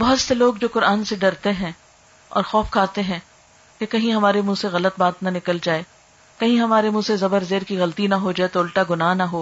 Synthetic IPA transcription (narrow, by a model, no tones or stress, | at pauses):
bɐɦʊt̪seloːɡd͡ʒoːqʊɾʔaːnseɖɐɾt̪eɦɛ̃ː | ɔ̰ːɾxɔːfkʰaːt̪eɦɛ̃ː | kekɐɦĩɦɐmaːɾemũseɣɐlət̪̚baːt̪nɐnɪkəld͡ʒaːe | kɐɦĩɦɐmaːɾemũːsezɐbəɾzeːɾkiɣɐlt̪inɐɦod͡ʒaːet̪oʊlʈaɡʊnaːnɐɦoː